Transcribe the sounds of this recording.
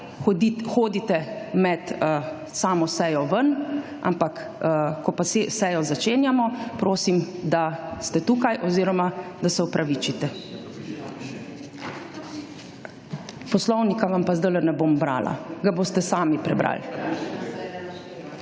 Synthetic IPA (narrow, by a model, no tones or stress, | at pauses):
xoːd̪it̪ɛmɛt̪ə | saːmɔsɛjɔʋən | a̰mpak | kɔpasesɛjɔzat͡ʃeːnjamɔpɾoːsimd̪ast̪ɛt̪uːkajʔɔziːɾɔmad̪asɛupɾʔaʋit͡ʃit̪ɛ | pɔslɔwnikaʋampazd̪ələnɛboːmbɾa̰ːlʔa̰ɡaboːst̪ɛsaːmipɾɛbɾa̰l